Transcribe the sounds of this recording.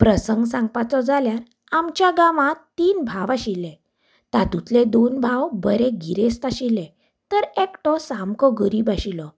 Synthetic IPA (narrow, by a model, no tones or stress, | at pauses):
pɾəsəŋɡsãŋɡpat͡sɔd͡zʱaljaɾ | amt͡ɕjaɡaʋãt̪ːiːnbʱaʋaɕilɛ̃ | t̪ad̪ut̪lɛd̪onbʱawbəɾɛ̃ɡiɾest̪aɕilɛ̃ | t̪əɾekʈɔsamkɔɡəɾiːbaɕilɔ